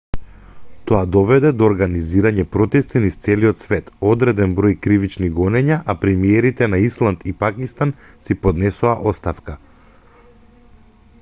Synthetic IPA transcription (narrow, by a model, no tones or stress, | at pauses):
t̪ɔad̪ɔvɛd̪ɛd̪ɔːɾɡaniziɾaɲɛpɾɔt̪ɛst̪inist̪sɛliɔt̪svɛt̪ɔd̪ɾɛd̪ɛnbɾɔjkɾivit͡ʃniɡɔnɛɲaʔapɾɛmiɛɾit̪ɛnaislˠant̪ipakist̪an | sipod̪nɛsuaʔɔst̪afka